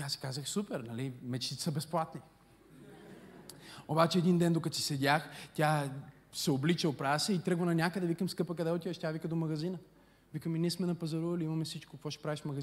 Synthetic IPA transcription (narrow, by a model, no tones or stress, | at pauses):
asi̥kazəxsupɛɾnɐlimɛt͡ʃt̪it̪ɛ̥səbɛsplˠat̪ni | obat͡ʃɛɛd̪ind̪ɛnd̪okɐt̪si̥sɛd̪ʲaxt̪ʲja | sɛoblit͡ʃəpɾavəsɛit̪ɾɤɡvənɐnʲjakəd̪ɛvikəmskɤpəkɐd̪ɛot̪ivəʃt̪ʲavikəd̪omɐɡɐzinə | vikəminiɛsmɛnɐpɐzɐɾuvɐliimɐmɛsit͡ʃkokɐkvɔʃɛ̥pɾaviʃfmɐɡɐz